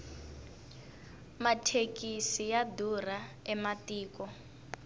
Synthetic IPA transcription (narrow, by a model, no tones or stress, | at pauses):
matʰekisijadur̤aɛmatiːkɔ